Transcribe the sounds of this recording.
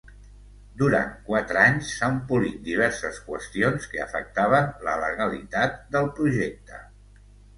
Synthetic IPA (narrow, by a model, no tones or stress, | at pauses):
d̪uɾa̰nkwat̪ɾəaɲsːampulit̪̚d̪iβ̞ɛɾsəskwə̰st̪ionskəə̰fə̰k̚t̪aβ̞ənlə̰ləɣəlḭt̪at̪̚d̪əlˠpɾuʒɛk̚t̪ə̰